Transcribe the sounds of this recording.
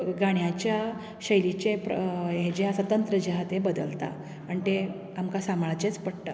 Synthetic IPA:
ɡaɳ̃jat͡ɕja | ɕəjlit͡ɕeped͡ʑeasət̪ənt̪ɾəd͡ʑaɦat̪ebəd̪əlt̪a̰ | əɳt̪e | amkasamɭat͡ɕet͡spəɽt̪a

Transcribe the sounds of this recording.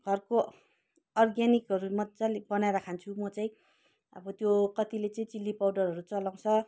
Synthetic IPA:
ɡ̥ʱʌrko | ʌrɡjanikɦʌɾumʌt͡sʌlbʌnajɾakʰant͡sʰumʌt͡sʌĩ | ʌ̰bʌt̪jokʌt̪ilet͡sʌĩt͡silːipawɖʌrɦʌɾut͡sʌlaw̃t͡sʰʌ

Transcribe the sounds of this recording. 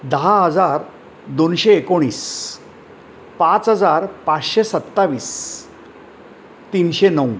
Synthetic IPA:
d̪əɦaɦəd͡zaɾ | d̪onɕeːkoɽ̃iːs | pãt͡sɦəd͡zaɾpat͡sɕesət̪ːaʋiːs | t̪iːnɕenəu

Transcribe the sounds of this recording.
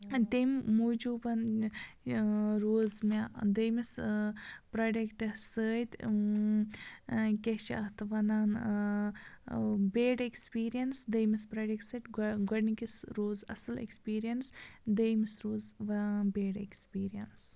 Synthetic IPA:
d̪emmuːd͡ʒuːbɐn | ɾoːzmad̪əjmis | pɾɐɖekʈɐsəːt̪ʲ | kʲet͡ʃʰɐt̪ʰʋɐnaːn | beːɖekspiːɾijɐnsd̪əjmispɾɐɖek̚ʈsɐʈɡɐnikisɾoːzɐ̰sɐlḛkspiːɾijɐnsd̪əjmisɾoːzʋɐbeːɖḛkspiːɾijɐns

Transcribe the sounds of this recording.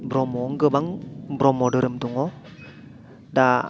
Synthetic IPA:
bɾɔmɔŋɡɯbaŋbɾɔmɔdɯɾɯmduŋɔ | da

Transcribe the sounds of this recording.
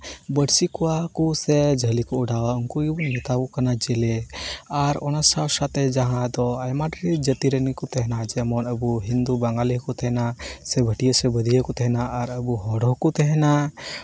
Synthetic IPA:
bəɽsikɔwakusɛd͡ʒəlikɔuɖawauŋkuibuŋmɛt̪abukanad͡ʒɛlɛaɾɔnasawsat̪ɛd͡ʒaɦãd̪ɔajmaʈɾid͡ʒət̪iɾənikut̪ɛɦɛnad͡ʒɛmɔnəbuɦind̪ubaŋɡalikut̪ɛɦɛnasɛbʱəʈijəsɛbəd̪ʱijəkɔt̪ɛɦɛnaʔːɾəbuɦɔɽɔɦkut̪ɛɦɛna

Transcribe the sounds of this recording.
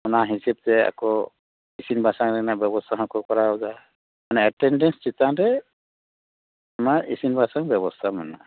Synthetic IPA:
ɔnaɦiseb̚t̪ɛa̰kɔ | isinbʱasaŋɾɛnabjɛbɔst̪ʰaɦɔ̃kɔkɔɾaɔd͡ʒa | manɛɛʈːɛnɖɛnst͡ʃit̪ãɾɛ | amaɾisinbʱasaŋbjɛβɔst̪ʰamana̰

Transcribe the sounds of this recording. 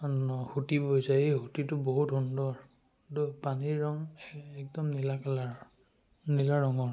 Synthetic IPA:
nɔhutibojzaejhutitʊboɦutɦundɔɹ | dɔpaniɹɹɔŋɛk̚dɔmnilakala | nilaɹɹɔŋɔɹ

